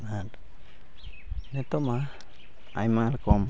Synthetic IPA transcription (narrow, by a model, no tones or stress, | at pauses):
naɾ | net̪oma | a̰jmalkom